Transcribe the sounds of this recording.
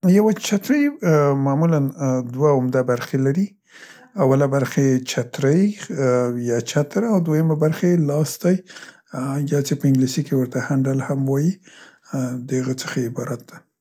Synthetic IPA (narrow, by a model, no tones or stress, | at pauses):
jawat͡ʃat̪ɾəjmamuland̪waʊmd̪abaɾxelaɾi | awalabaɾxajet͡ʃat̪ɾəj | jɑt͡ʃat̪ɾaawd̪wojəmabaɾxaelɑsd̪aj | jɑt͡sepəɪŋɡlisikewəɾt̪ahaɳɖalhamwɑji | d̪əhaɣət͡sə̥xaɪbɑɾat̪̚d̪a